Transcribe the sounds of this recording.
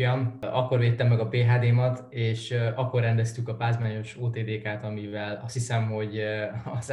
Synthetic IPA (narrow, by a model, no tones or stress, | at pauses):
jɒmɒkːo̞rveːt̪ːɛmːɛɡɒpeːɦaːd̪eːmɒt̪ | eːʃɒkːo̞rːɛnd̪ɛst̪ykɒpaːzmaːɲo̞ʃoːt̪eːd̪eːkaːt̪ɒmivɛlɒst̪hisɛmɦo̞ɟɒz